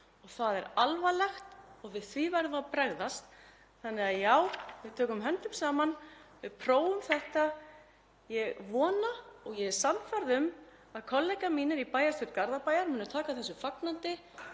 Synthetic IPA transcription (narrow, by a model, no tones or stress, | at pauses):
ɔɣθaðɛɾalvalɛxt̪ɔɣvɪðθvivaɾðʏaðpɾɛɣðast̪ | θanːɪɣaðjaːwvɪðt̪ʰœːkʏmɦɛnt̪ʏmsaːmanvɪðpʰɾoːwʏmθɛht̪a | jɛɣvɔːnaɔɣjɛɾsanfaɾðʏm | aðkʰɔlːɛjkamiːnɪɾipaːjast̪ʏɾt̪̚kaɾðapaːjaɾmʏːnʏt̪ʰaːkaθɛsːʏfaknant̪ɪ